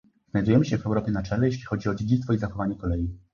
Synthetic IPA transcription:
znajd̪ujɛmɘɕɛvɛwɾɔpʲjɛnat͡ʂɛlɛjeɕ̬lʲixɔd͡ʑiɔd͡ʑed͡ʑit̪fɔizaxɔvaɲɛkɔlɛji

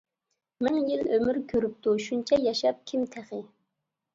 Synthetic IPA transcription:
mɪŋjilømyɾkʲʰøɾyp̚t̪ʰuʃunt͡ʃʰɛjɑʃɑp̚kʲʰimt̪ʰæχɪ

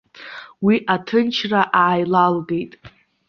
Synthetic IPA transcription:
wiʔatʰɨnt͡ʃʰraʔaʕajlalɡe̞jtʼ

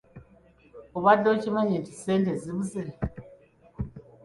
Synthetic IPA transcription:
uβadot͡ʃimaɲentisendeziβuze

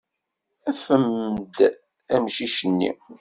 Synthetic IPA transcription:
æfəmːd̪ | æmʃiʃənːḭ

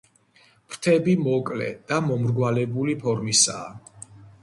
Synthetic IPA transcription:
pʰɾt̪ʰɛbimɔkʼlɛ̰d̪̥amɔmɾɡwalɛbulipʰɔɾmisa̰ː

